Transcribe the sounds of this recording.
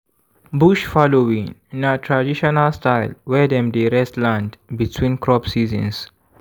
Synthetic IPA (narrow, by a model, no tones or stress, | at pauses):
buʃfɔlowĩŋĩnətʰɾadiʃɔnəlstaɪlwɛd̪ɛ̃mdeɾɛstlãndbitʰwĩːnkɾɔpsizə̰̃ns